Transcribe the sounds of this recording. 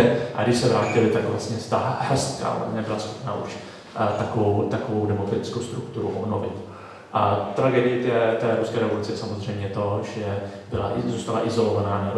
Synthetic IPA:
ɛʔaɡdɪʃsɛvɾaːcɪlɪt̪akvlast̪ɲɛst̪ahɛst̪ka̰ːvla̰mɲɛbɪlasxopna̰ʔuʃ | t̪akovowt̪akovowdɛmokɾat̪ɪt͡skowst̪ɾukt̪uɾṵʔobnovɪ̰t̪ː | t̪ɾaɡɛdɪjɪt̪ɛt̪ɛːɾuskɛːɾɛvolut͡sɪsamozr̝ɛjmɲɛt̪o̞ʒɛbɪla̰ʔzuːst̪alaʔɪzo̞lovanaːnɛb

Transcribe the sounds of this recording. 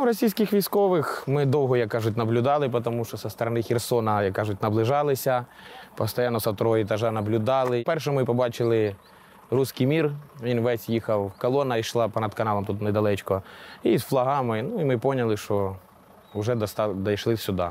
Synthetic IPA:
ʋɾɔsʲijsʲkʲɪxʋʲijsʲkɔʋɪxmɪd̪ɔwɦɔjɐkːɑʒʊtʲnɐblʲʊd̪ɑlˠɪp̬ɔt̪ɔmuʃt͡ʃɔsɐst̪ɐɾɐnɪxʲɛrsɔnɐjɐkːɑʒʊt̚ʲnɐblˠɪʒɑlˠɪsʲɐ | pɔst̪ɐjɑnːɔsɐt̪ɔɾɔɦɔjɪt̪ɐʒɑnɐblʲʊd̪ɑlˠɪpɛrʃ̬ɛmɪpɔbɑt͡ʃɪlˠɪ | rusʲkijmʲirʋʲinʋɛsʲjixɐwkɔlˠɔnɐjʃlˠɑpɔnɐd̪kɐnɑlˠɐmt̪ut̪nɛjd̪ɐlˠɛt͡ʃkɔizflˠɐɦɑmɪnuimɪpɔnʲɐlˠɪʃt͡ʃɔ | ʊʒɛd̪ɐst̪d̪ɐjʃlˠɪsʲʊd̪ɑ̰

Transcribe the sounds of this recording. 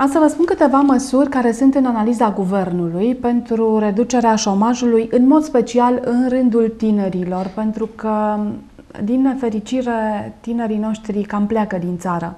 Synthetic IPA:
asəvəspunkɨt̪e̞vaməsurʲkaɾe̞sunt̪ɨnanalizaɡuve̞rnulujpe̞nt̪ɾuɾe̞d̪ut͡ʃe̞ɾeaʃo̞maʒulujɨnmo̞d̪spe̞t͡ʃialɨnrɨnd̪ult̪ine̞ɾilo̞rpe̞nt̪ɾukə | d̪inːe̞fe̞ɾit͡ʃiɾe̞t̪ine̞ɾino̞ʃt̪ɾikampleakəd̪int̪saɾə̰

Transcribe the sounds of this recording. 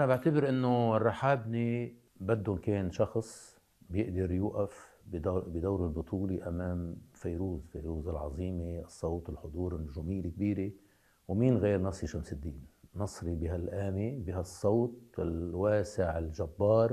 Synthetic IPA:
ʔanabɪʕt̪abɪɾʔɪnːorˤːɑħaːbni | bad̪ːʊnkeːnʃɑxsˤ | bjɪʔd̪ɑɾjuːʔaf | bd̪bɪd̪awɾɪlbʊt̪ˤʰuːleʔamaːmfajɾuːzfajɾuːzɪlʕɑ̰zˤiːmeɨsˤːɑwt̪ɪlħʊd̪ˤuːɾɪnːʊʒuːmiːlɪk̚biːɾe | wmiːnɣeːɾnɑsˤiʃamsɪd̪ːiːnːɑsˤɾibɪɦalʔaːmibɪɦasˤːɑwt̪̚ˤɪlwaːsɪʕɪlʒabːɑːɾˤ

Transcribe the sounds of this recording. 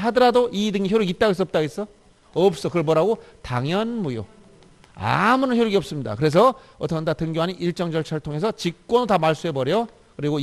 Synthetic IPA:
ɦadʌɾadoʔidɯŋiçjoɾjuɡit̚t͈aɡes̬͈ʌp̚t͈aɡes͈ʌ | ʌp̚s͈ʌkɯɾʌɭpʌɾaɡotaŋjʌnmujo̰ | a̰munɯnçjoɾjuɡiʌps͈ɯmɲida̰kɯɾe̞s̬ʰʌ | ʌt͈ʰʌndatɯŋɡjoɦaɲiiɭt͡ɕ͈ʌŋd͡ʑʌɭt͡ɕʰʌɭtʰoŋe̞sʰʌt͡ɕik̚k͈wʌnotamaɭs͈ue̞bʌɾjʌ | kɯɾiɡo

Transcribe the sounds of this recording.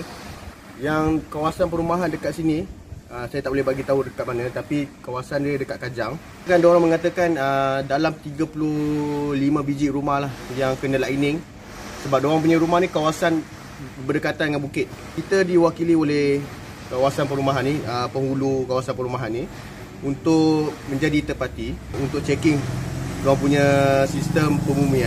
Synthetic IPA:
jaŋkawasanpəɾumaɦandəkat̪sini | əsajat̪aʔbolɛhbaɡit̪aɦudəkat̪̚manə̃t̪apikawasandiədəkat̪̚kad͡ʒaŋ | kandoɾaŋməŋat̪əkanədalamt̪iɡəpululimə̃bid͡ʒiʔɾumahlahjaŋkənəlainɪŋ | səbap̚doaŋmp̬uɲãɾumahnikawasan | bərdəkat̪andəŋanbukɪt̪̚ | kit̪ədiwakiliolɛh | kawasanpəɾumaɦanːiəpəŋulukawasanpəɾumaɦanːi | unt̪ʊʔmə̃ɲd͡ʒadit̪əpat̪iunt̪ʊʔ̚t͡ʃɛkɪŋdoaŋpuɲəsist̪əmpəmumĩan

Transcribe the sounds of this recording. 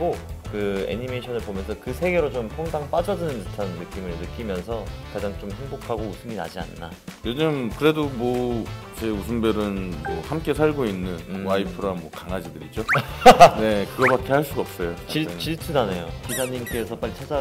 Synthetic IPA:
ɡokɯe̞̰ɲime̞ɕʰʌnɯɭbomjʌnsʰʌkɯsʰe̞ɡe̞ɾot͡ɕompʰoŋdaŋp͈ad͡ʑʌd͡ʑɯnɯnɯtʰanːɯk͈imɯɭnɯk͈imjʌnsʰʌkad͡ʑaŋt͡ɕomhe̞ŋbokʰaɡousʰɯmina̰d͡ʑia̰nːa̰ | jed͡ʑɯmkɯɾe̞domwʌ | t͡ɕe̞usʰɯmbʌɾɯnmʌhamk͈e̞sʰaɭɡoinːɯnwaipʰɯɾamwʌkaŋad͡ʑidɯɾid͡ʑo | ne̞kɯɡʌbat̚k͈ʰehaɭs͈uɡʌp̚s͈ʌjot͡ɕit͡ɕiɭtʰɯnanejokisʰaɲimk͈e̞sʰʌp͈aɭːit͡ɕʰad͡ʑa

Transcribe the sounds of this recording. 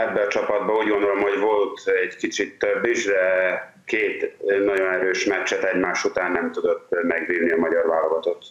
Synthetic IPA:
ɛbːɛɒt͡ʃɒpɒd̪̚bɒuːɟɡond̪olo̞mho̞ɟvolt̪ɛɟkit͡ʃit̪ːøbːiʒdɛ | keːt̪nɒɟo̞nɛɾøːʃmɛt͡ʃːɛt̪ɛɟmaːʃut̪aːnːɛmt̪ud̪o̞t̪ːmɛɡʋiːvniɒmɒɟɒrvaːlːoɡɒt̪o̞t̪

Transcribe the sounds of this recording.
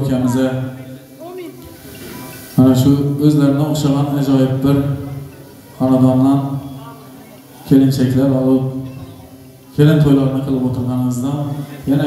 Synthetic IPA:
okʲʰamɪza | manaʃʊɵzlaɾɪmnɪoχʃɑʁɑnad͡ʒɒjɪb̚bɪɾ | χɑnad̪ɒnːan | kʲʰe̞lɪnt͡ʃʰakʲlaɾvaol | kʲʰe̞lɪnt̪ʰojlaɾɪnɪqʰɨlˠɪpot̪ʰɨɾˠʁɑnɪmɪzd̪anjana

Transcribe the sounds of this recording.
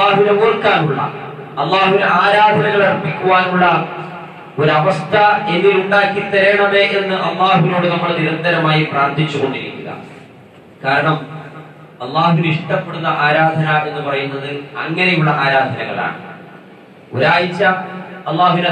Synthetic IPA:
aːɦuʋinemurkːaːnuɭːɐ̰ | ɐlːaːhuʋineaːɾaːd̪ʱɐnɐŋːɐɭerpːikʲːuʋaːnuɭːɐ | o̞ɾuɐʋɐst̪ʰɐe̞nːiluɳɖaːkːit̪ːɐɾeːɳɐme̞ːʔenːɨʔɐlːaːɦuʋiloːɽenɐmːɐɭniɾɐnd̪ɐɾɐmaːjipraːrt̪ʰit͡ɕːuɣo̞ɳɖiɾḭkʲːuɣɐ̰ | kaːɾɐɳɐm | ɐlˠːaːɦuʋiniʂʈɐpːe̞ɽunːɐʔaːɾaːd̪ʱɐnɐʔe̞nːɨpɐrɐjunːɐðɨɐŋːɐnejuɭːɐʔaːɾaːd̪ʱɐnɐŋɐ̰ɭa̰ːɳɨ | o̰ɾaːjit͡ɕːaɐlˠˤːaːɦuʋine

